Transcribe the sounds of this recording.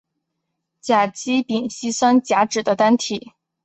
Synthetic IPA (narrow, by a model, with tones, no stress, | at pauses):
t͡ɕja˨˩t͡ɕi˥pi˨˩ŋɕi˥swa˥nt͡ɕja˧˥ʈ͡ʂɻ̩˨˩d̪ə˦t̪a˥nt̪ʰi˨˩˦